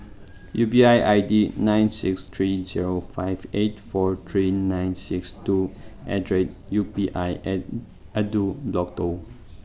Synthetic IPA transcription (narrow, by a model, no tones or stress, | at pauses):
jupiajʔajdinãj̃nsikst̪ʰɹiziɹofajvet̚fɔɹt̪ʰɹinãjnsikstuʔɛdɹet̚jupiʔajʔɛt̚ | adublɔk̚to